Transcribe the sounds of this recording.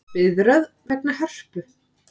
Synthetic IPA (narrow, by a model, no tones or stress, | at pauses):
ɪðɾœðvɛknahɛr̥pʏ